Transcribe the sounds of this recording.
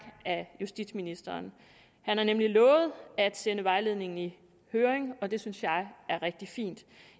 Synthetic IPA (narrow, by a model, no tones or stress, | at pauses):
æjusd̥id̥sminisd̥ɐːn | hænhɑ̈nemlilɔ̽ːʊð̞̩ˠæd̥senəʋɑ̈ɪle̝ðˠne̝ŋn̩i | høːɐeŋɒ̽d̥e̝synsjɑ̈ɪæɐʁɛɡ̥̚d̥ifḭːnd̥